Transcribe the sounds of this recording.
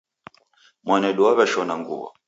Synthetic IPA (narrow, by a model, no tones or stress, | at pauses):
mwanɛɗuaβɛʃɔnaŋɡṵβɔ̰